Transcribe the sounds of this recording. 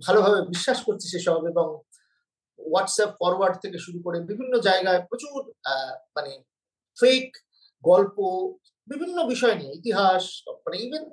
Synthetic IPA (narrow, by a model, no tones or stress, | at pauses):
bʱalobʱabebiʃːaʃkoɾt͡ɕʰiʃeʃɔbabebɔŋ | waʈsapfɔɾwaɾɖt̪ʰekeʃuɾukoɾebibʱinːod͡ʑaeɡaepɾot͡ɕuɾmane | fek | ɡɔlpo | bibʱinːobiʃɔenieit̪iɦaʃmaneibʱen